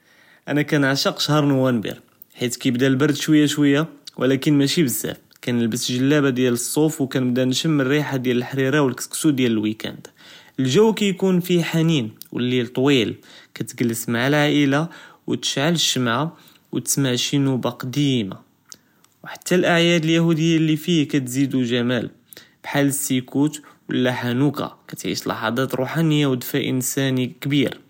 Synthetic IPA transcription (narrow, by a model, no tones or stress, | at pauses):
ʔænækænʕaʃəqʃhɑɾˤnuwænbḭɾ | ħit̪kæjəbd̪ælbɑɾˤd̪ʃwəjːaʃwəjːawʔəlækənmæʃibəzːæ̰f | kænəlbəsʒəlːæbad̪jæləsˤːofwkænəb̚d̪ænʃəmːərːiħad̪jæləlħɾiɾɑwəlkət̪ksud̪jæləlwikæ̰nd̪̥ʔəlʒuwːkæjkunfiħaninwə̰lːit̪ˤːwilkæt̪ɡəlːəsmaʕalʕaʔəlawt̪ə̥ʃʕaləʃːəmʕa | wət̪ə̥smaʕʃinubaqd̪ima̰ | wħat̪ʰːælʔaʕjæd̪əljahud̪əjːalːifihkæt̪zid̪uʒæmæl | b̥ħaləsːikut̪wə̰lːæħanukɑ̰kæt̪ʕḭʃlɑ̰ħɑd̪ˤɑt̪ɾuħanəjːawd̪fæʔənsænikbiɾ